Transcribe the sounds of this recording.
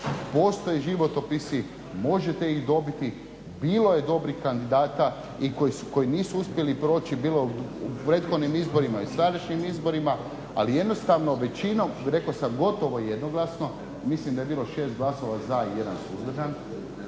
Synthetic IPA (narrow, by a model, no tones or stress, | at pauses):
post̪ojeʒiʋo̞t̪opisi | mo̞ʒet̪eiɣd̪o̞bit̪i | biːlo̞jed̪o̞bɾixkand̪id̪aːt̪a | ikoisuko̞jiniːsuuspje̞lipɾo̞ːt͡ʃibiːloupɾe̞ːt̪xo̞d̪nimizbo̞ɾimaisɾad̪aʃɲimizbo̞ɾima | a̰lije̞d̪no̞st̪aʋno̞ʋe̞t͡ɕino̞mɾe̞kosamɡo̞t̪oʋo̞jed̪noɡlˠasno̞ | mislimd̪aebiːlo̞ʃe̞ːst̪ɡlˠaso̞ʋazaje̞d̪ansuzd̪ɾ̩ʒan